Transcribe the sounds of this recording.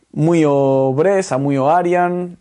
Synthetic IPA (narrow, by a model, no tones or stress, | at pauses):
mujoβɾesamujoaɾjan